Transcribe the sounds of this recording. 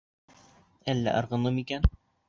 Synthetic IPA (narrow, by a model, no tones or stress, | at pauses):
ælːæ̰ʔɤ̆ɾʁɤ̆nɤmikæn